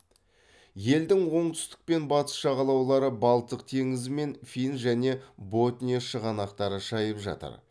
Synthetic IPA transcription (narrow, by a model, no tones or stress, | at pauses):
je̞ld̪ɪŋwo̞ɴt̪ʰʏ̥st̪ɪ̥k̚pe̞nbɑt̪ə̥sʃɑʁɑlˠɑwlˠɑɾəbɑlˠt̪ːəq̚t̪ʰe̞ŋɪzɪme̞nfʲijnʒæne̞bo̞t̪nʲijoʃəʁɑnɑqt̪ɑɾəʃɑjəpʒɑ̰t̪ə̰ɾ